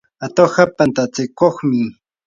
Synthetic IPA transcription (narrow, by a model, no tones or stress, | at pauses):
at̪ohapant̪at͡sɪkoχmɪ